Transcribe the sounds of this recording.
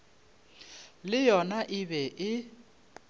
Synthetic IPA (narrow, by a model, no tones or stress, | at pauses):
lɪjɔnaʔɪβɛʔɪ